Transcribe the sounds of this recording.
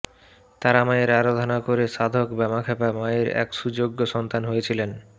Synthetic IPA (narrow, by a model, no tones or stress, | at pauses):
t̪aɾamaeɾaɾod̪ʱonakoɾeʃad̪ʱokbamakʰapamaeɾɛ̰kʃud͡ʑoɡːoʃɔnt̪anɦojet͡ɕʰilen